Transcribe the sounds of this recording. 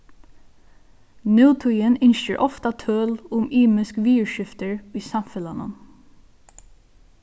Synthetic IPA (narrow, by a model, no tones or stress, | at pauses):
nœːt̪ʰʊjːənɪnʃə̰ɹʔɔft̪ət̪ʰøːlʊmiːmɪskʋiːəɹʃɪft̪əɹiːsɑmfɛlɑnə̰n